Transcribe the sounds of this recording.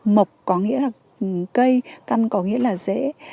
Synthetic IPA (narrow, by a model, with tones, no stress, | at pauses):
mə˨˩wk͡p̚kɔ˨˦ŋḭ˧˥əlaː˨˩ | kə˧jka˧nkɔ˨˦ŋḭ˧əlaː˨˩zɛ̰˧˥